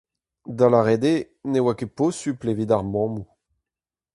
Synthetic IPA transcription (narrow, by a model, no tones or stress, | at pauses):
d̪alaʁed̪e | newakeposyplevid̪aʁmɔ̃mu